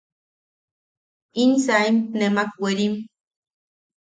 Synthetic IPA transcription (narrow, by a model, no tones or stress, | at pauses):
insaimtnemak̚weɾim